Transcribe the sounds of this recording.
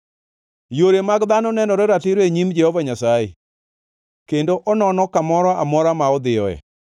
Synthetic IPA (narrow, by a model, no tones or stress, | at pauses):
joɾemaɡd̪anɔnɛnɔɾeɾatɪɾoeɲimd͡ʒɛhɔvaɲasajḛ | kendoʔɔnɔnɔkamɔɾɔʔamɔɾamaɔd̪ɪjɔɛ̰